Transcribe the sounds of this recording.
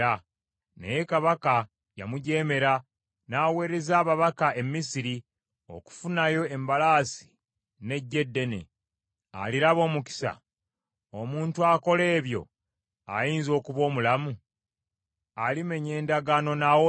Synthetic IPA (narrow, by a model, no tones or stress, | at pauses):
a | ne̞̰je̞kaβaka | ja̰muɟe̞ːme̞ɾa | naːwe̞ːɾe̞zaːβaβakae̞mːisiɾi | o̞̰ku̥funajo̞e̞mbalaːsi̥ | ne̞ɟːe̞dːe̞ne̞̰ | a̰liɾaβo̞ːmuki̥sa̰ | omuːntuako̞le̞ːβjo̞̰ | a̰jiːnzo̞ːkuβo̞ːmulamu | alime̞ɲe̞ːndaɡano̞nawo